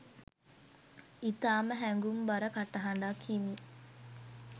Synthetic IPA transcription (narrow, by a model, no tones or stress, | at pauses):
it̪aːməɦæŋɡumbaɾəkaʈaɦaɳɖakʰːimi